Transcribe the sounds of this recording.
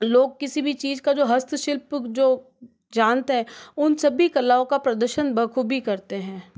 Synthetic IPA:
loːɡ̚kɪsibʱit͡ʃiːzkad͡ʒoːɦɐst̪ʰʃɪlpd͡ʒoː | d͡ʒaːnt̪eɦɛ̃ːʊnsɐbʱikɐlːaːõkapɾɐd̪əɾʃənbʱɐkʰubʱikɐɾt̪eɦɛ̃ː

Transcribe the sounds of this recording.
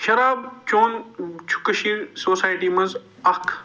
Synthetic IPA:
ʃɐɾaːbt͡ʃoːnt͡ʃʰu̥kɐʃiɾsoːsaːjʈiːmɐ̃nz | ɐkʰ

